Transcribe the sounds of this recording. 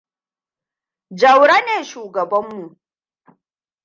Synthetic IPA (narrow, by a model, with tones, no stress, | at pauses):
d͡ʒɐ˨wɽa˦neː˨ʃuː˨ɡɐ˨bɐ˦mːu˨ʔ